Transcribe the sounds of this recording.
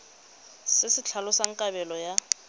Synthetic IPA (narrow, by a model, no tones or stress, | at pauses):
sɪsɪt͡ɬʰalʊsaŋ̩kʼabɛlɔja